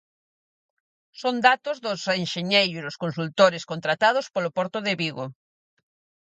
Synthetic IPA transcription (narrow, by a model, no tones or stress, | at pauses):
sond̪at̪ozðosenʃeɲejɾouiðoskonsult̪oɾeskõnt̪ɾat̪að̞ospolopoɾt̪oðeβiɣo